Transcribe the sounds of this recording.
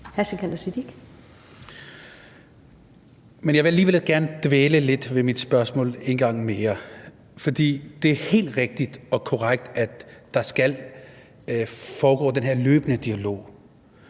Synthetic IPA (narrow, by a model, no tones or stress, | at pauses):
hæsəkʰæn̥ɐsid̥iɡ̥ | menjɑʋe̝æliːʋelɡ̥æɐnəd̥ʋeːləle̝d̥ʋe̝mid̥sb̥ɶɐsmɔ̰ːle̝nɡ̥ɑ̈ŋ̰meːɐ | fɒ̽d̥ḭːd̥e̝æɐhe̝̰ːld̥ʁeɡ̥̚d̥id̥ɒ̽kʰo̝ʁaɡ̥̚d̥æd̥ːɑ̈sɡ̥æl | fɒːɡ̥ɔ̰ːd̥enɦe̝ɐ̰løːb̥ənəd̥iælo̝̰ː